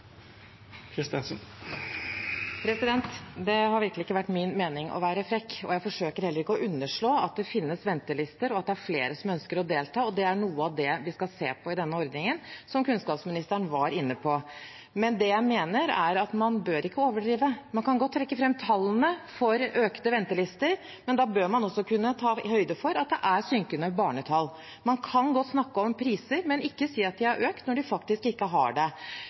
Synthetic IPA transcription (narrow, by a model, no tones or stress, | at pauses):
kʰɾɪst̪ɪnsn | pʰɾɛsɪd̪ɛnt̪d̪ɛɦɑɾʋɪɾkəlɪɪkːəʋæʈːmɪnmeːnɪŋʔɔ̰ʋæːɾəfɾɛkːɔ̰jæɪfɔʂøːkəɾhɛlːəɾɪkːəɔʔʉnːəʂɭoːɑ̰t̪̚d̪ɛfɪnːəsʋɛnt̪əɭɪst̪əɾɔɑt̪̚d̪ɛæɾfleːɾəsɔmœnskəɾɔd̪eːlt̪ʰɑːɔd̪ɛæɳuːəɑʋd̪ɛʋɪskɑseːpʰɔɪd̪ɛnːəɔɾd̪nɪŋənsɔmkʉnskɑːpsmɪnɪst̪əɳʋɑɾɪnːəpʰɔ | mɛnd̪ɛjæɪmeːnəɾæ̰ɾɑt̪mɑnbøːɾʔɪkːəoːʋəɖɾiːʋəmɑnkɑnɡɔt̪ːɾɛkːəfɾɛmːt̪ʰɑlːənəfɔɾøːkt̪əʋɛnt̪əlɪst̪əɾ | mɛnd̪ɑːbøːɾmɑnɔsːɔkʉnːət̪ʰɑːhœʏd̪əfɔɾɑt̪̚d̪ɛʔæsʏŋkənəbɑːɳət̪ʰɑlː | mɑnkʰɑnɡɔt̪ːsnɑkːəɔmpʰɾiːsəɾmɛnɪkːəsiːɑt̪̚d̪ɪæɾʔøːkt̪nɔɖɪfɑk̚t̪ɪskɪkːəɦɑ̰ɖɛ